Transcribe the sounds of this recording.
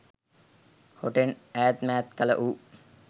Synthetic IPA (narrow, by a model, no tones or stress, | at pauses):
hoʈenæːæt̪mæːt̪kələ̰ʔuː